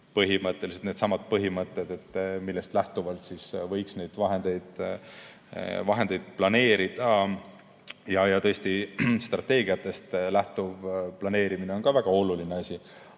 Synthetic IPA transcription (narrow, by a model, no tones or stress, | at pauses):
pɤɦimɤt̪ːˑe̞liset̪ned̪sɑmɑd̪̥̚pɤɦimɤt̪ːˑed̪e̞t̪ːmilːest̪læht̪uvɑlt̪sisvɤ̞jksne̞jd̪̥vɑɦe̞nd̪̥e̞jd̪̥ | vɑɦe̞nd̪̥e̞jd̪̥̚plɑne̞ːɾid̪̥ɑ | jɑjɑt̪ɤ̞est̪ist̪rɑt̪ːe̞ːɡ̥iɑt̪ːˑe̞st̪læht̪uvplɑne̞ːɾimine̞onkɑvæɡ̥ɑo̞lulineɑsʲi